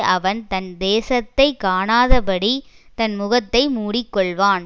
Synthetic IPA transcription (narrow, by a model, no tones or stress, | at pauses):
ʔɐʋɐnt̪ɐnd̪eːsɐt̪ːɐɪkaːnaːðɐpɐɽit̪ɐnmʊɣɐt̪ːɐɪmuːɽɪkːɔɭʋaːn